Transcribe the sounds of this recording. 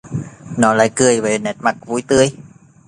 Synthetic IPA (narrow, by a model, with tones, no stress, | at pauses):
nɔ˨˦la̰ː˧˨jkɨ˨˧˩əjve˨˦nɛ˨˩t̚ma˨˩k̚vṵ˧˩˦jt̪ɨ˧əj